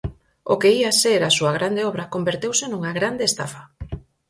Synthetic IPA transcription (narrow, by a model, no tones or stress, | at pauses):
okeiaseɾasuɐɣ̞ɾand̪eɔβɾɐkombeɾt̪ewsenuŋaɣɾand̪eːst̪a̰fɐḁ